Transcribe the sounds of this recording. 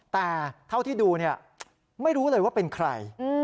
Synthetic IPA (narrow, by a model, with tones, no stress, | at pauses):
t̪ɛː˨˩t̪ʰa˥˩wt̪ʰiː˥˩duː˧ni˥˩ɐ | ma˥˩jɾuː˦˥lɤː˧jwaː˥˩pe˧nkʰɾa̰˧j